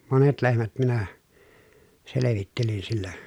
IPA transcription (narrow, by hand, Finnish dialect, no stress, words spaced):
monet lehmæt minæ seleʋitːelin silːæ